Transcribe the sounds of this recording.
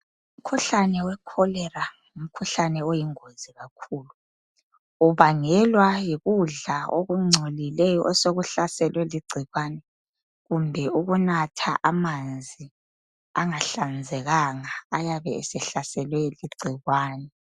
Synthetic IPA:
um̩kʰuɬanɛwɛkʰɔlɛra | um̩kʰuɬanɛojiŋoz̥iɣakʰuːlu | uβaŋɛlwajiɣuɮaoɣuŋ͡ǀʱolilɛjɔʔɔsoɣuɬasɛlwɛliɡ͡ǀʱiɣwanɛ | ɣumbʱɛuɣunatʰaʔamand͡zʱi | aŋaɬand͡zʱɛɣaŋaːjaβɛːsɛɬasɛlwɛliɡ͡ǀʱiɣwaːnɛ

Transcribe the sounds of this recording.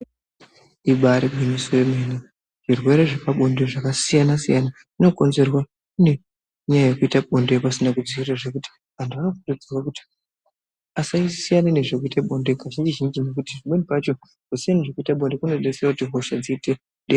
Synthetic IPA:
iɓaɾiɡinisoemene | ʐ̥irwe̞ɾe̞ʐekaɓonde̞ʐakasijanasijana | ino̞ko̞nze̞rwa | kune̞ | ɲajajekuitaɓonde̞pasinakud͡ziiraʐe̞kuti̥ | andʱuanakutod͡zirwakuti̥ | asaisijanine̞ʐekuitaɓo̞ndekaʒind͡ʒiʒind͡ʒimek̬utiʐiɓonipat͡ʃo̞ | kusijaniʐekuitaɓo̞nde̞kunoɗeserakutiɦo̞ʃad͡ziːte | ɗe

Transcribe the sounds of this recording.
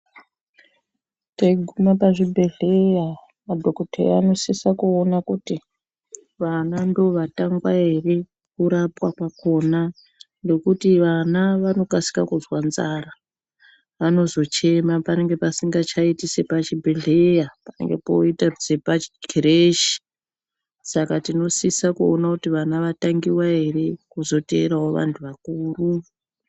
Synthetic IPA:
teɡʱumapaʐibʱe̞ɮeja | madʱo̞kotʰḛano̞sisakuonakuti | ʋanando̞ʋataŋɡwaere | kuɾapwakwako̞na | nde̞kutiʋanaʋano̞kasi̥kakuzwanzara | ʋano̞zo̞t͡ʃe̞mapane̞ŋɡe̞pasiŋɡat͡ʃaitise̞pat͡ʃibʱeɮe̞japane̞̰ŋɡepoitad͡zepaɡiɾeʃi̥ | sakatino̞sisakuonakutiʋanaʋataŋɡiwae̞re̞kuzo̞te̞ːɾawo̞ʋa̰ntʰuʋakuːru

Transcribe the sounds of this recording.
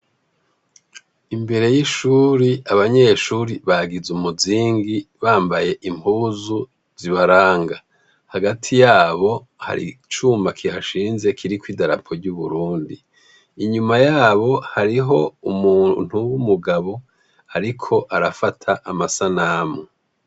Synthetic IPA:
imbe̞ɾe̞jiʃuːɾiaβaɲe̞ːʃuːɾiβaɡizumuziːŋɡiβaːmbaje̞ʔimpuːzu | z̥iβaɾaːŋɡa | haɡatʰijaːβo̞ | ha̰ɾḭt͡ʃumakʰihaʃiːnze̞kʰiɾikwiːdaɾa̰pʰo̞ɾɟuβuɾuːndiː | ɲumajaːβo̞haɾiɦo̞umun̥uwumuɡaβo̞ | aɾikʰo̞ʔaɾafatʰaʔːmasanaːmo

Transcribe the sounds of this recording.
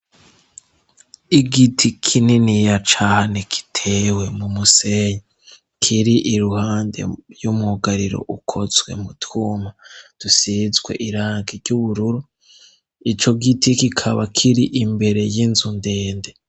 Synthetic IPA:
iɡitʰikʰininijat͡ʃahaneki̥tʰe̞we̞mumuseɲe | kʰiɾiʔiɾuhaːnde̞̰ɾjumuɡaɾiɾo̞̰ʔukʰozwe̞̰mutʰuːmad̥usizɡwe̞̰ʔiɾaːŋɡiɾɟuβuɾuɾu | it͡ʃo̞ɡitikikʰaβakʰiɾiʔimbe̞ɾe̞jinzunde̞ːnde̞

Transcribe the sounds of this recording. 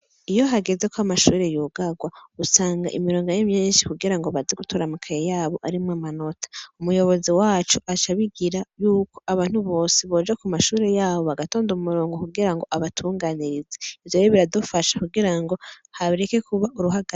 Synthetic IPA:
ijo̞ɦaɡe̞ze̞koamaʃuːɾe̞juːɡaɡwausaːŋɡa̰ʔḭmiɾoːŋɡajemɲiːnʃi̥kuɡiɾaŋɡo̞βaziɡutʰuɾamukʰajejaːβo̞ʔaɾimŋamano̞tʰḁumujo̞βo̞ziwaːt͡ʃuʔat͡ʃaβiɡiɾajuːko̞ʔaβaːn̥huβo̞ːsiβo̞ːd͡ʒakumaʃuːɾe̞jaːβo̞βaɡato̞ːndumuɾoːŋɡo̞kuɡiɾaŋɡo̞ʔaβatʰuːŋɡaniɾizeivjojiβiɾadufaʃḁkuɡiɾaŋɡo̞haβiɾekekuβaʔuɾuɦaɡa

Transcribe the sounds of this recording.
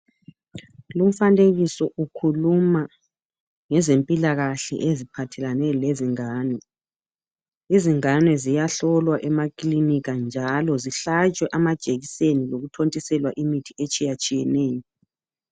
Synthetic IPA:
lum̩faneɣisɔʔukʰuluma | ŋɛzempʼilaɣaɬɛ̰ʔezipʰatʰɛlanɛleziŋaːnɛ | iziŋanwɛzijaɬɔlwaʔɛmakʼliniɣand͡ʒʱalɔziɬat͡ʃʼwɛʔamad̥ʒ̥ʼʱeɣiseniloɣutʰontʼisɛlwaʔimitʰiet͡ʃʼijat͡ʃʼijɛnɛːjɔ

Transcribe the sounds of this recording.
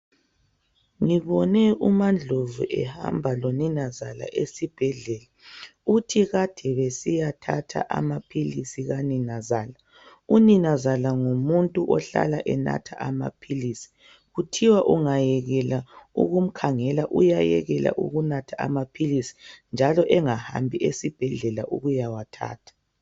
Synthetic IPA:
ŋiβɔnɛumand͡ɮʱovṵʔɛha̰mbʱaloninazala̰ʔesib̥ʱɛɮɛlautʰiɣad̥ʱɛβesijatʰatʰa̰ʔa̰mapʰilisiɣaninazaːla | uninazalaŋumuntʼuʔɔɬa̰laʔɛna̰tʰa̰ʔama̰pʰilisi̥ | ɣutʰiwaʔuŋajɛɣɛlaṵɣum̩kʰaŋɛlaʔujajɛɣɛla̰ʔuɣunatʰaamapʰilisi̥nd͡ʒʱalɔʔɛŋaha̰mbʱiʔesib̥ʱɛɮɛlaʔṵɣujawatʰa̰ːtʰḁ

